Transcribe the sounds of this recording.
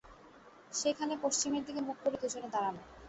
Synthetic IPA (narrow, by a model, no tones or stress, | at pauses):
ʃejkʰanepoʃt͡ɕimeɾd̪ikemuk̚koɾet̪ud͡ʑʱonːed̪aɾano